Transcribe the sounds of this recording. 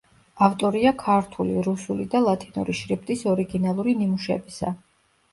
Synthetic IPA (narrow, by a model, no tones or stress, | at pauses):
aft̪ʼɔɾiakʰaɾt̪ʰuliɾusulid̪alˠat̪ʰinṵɾiʃɾip̚ʰt̪ʼisɔɾiɡinalˠuɾinimuʃɛ̰bisa̰